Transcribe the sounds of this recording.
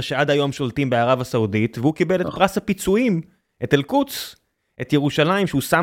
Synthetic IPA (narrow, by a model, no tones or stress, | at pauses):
ʃead̪ajo̞mʃo̞ltimbeaʁavasauditvehukibelet̚pʁashapit͡suim | ʔetelkut͡s | ʔe̞t̪jeʁuʃalaimʃeusa